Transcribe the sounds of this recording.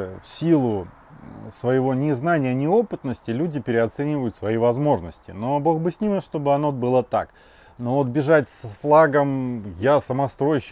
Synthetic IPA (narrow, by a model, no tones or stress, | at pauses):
fsʲilˠʊ | svəjɪvo̞nʲɪznanʲɪjənʲɪo̞pɨt̪nəsʲtʲɪlʲudʲɪpʲɪɾʲɪɐt̪sɛnʲɪvəjʊt̪svɐivɐzmo̞ʐnəsʲtʲɪno̞bo̞xbɨsʲnʲimʲɪlˠʂt̪o̞bɨɐno̞bɨlˠət̪a̰k | novo̞t̪̚bʲɪʐatʲsflˠaɡəmjasəmɐst̪ɾo̞jɪɕːɪ